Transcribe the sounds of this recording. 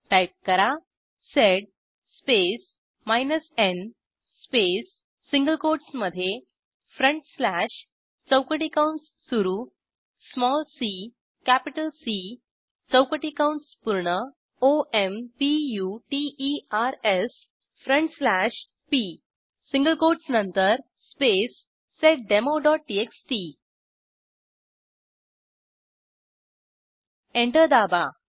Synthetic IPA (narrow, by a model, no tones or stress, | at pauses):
ʈajp̚kəɾa | seɖ̚ | spes | majnəsen | spesː | iŋɡəlkoɾɽsməd̪ʱːje | fɾəɳʈslæʂ | t͡səwkəʈikawɳʈs | suɾu | smɔlsi | kæpiʈəlsi | t͡səwkəʈikawɳʈspuɾɳə | oʔempijuʈiiaɾes | fɾəɳʈslæʂ | pi | sĩŋɡəlkoʈsnənt̪əɾ | spesː | eʈ̚ɖemoɖɔʈ̚ʈieksʈi | ẽɳʈəɾd̪aba